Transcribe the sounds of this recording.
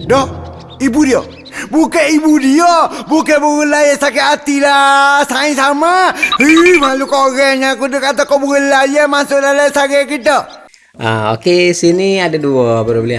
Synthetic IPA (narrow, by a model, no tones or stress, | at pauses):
dɔ | ibudijɔ | bukeibudiɔbukebɔɡəlajɛsakeat̪ilasaĩsamahimalukɔɡɛɲakudəkat̪akɔbuɡəlajɛmasudalasaɡɛkit̪ə | a̰o̰kesiniadeduɔbəɾɔbəlia